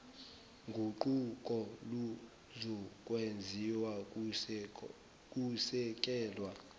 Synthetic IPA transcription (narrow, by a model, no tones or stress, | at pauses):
ŋɡʱuǃukʼɔlu | zɔkʼwend͡zʱiwa | kʼusɛk̬ʼɛːlwa